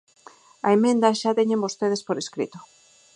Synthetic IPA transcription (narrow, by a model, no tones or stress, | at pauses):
aemẽnd̪aʃat̪eɲẽmbost̪eðespoɾeskɾḭt̪o̥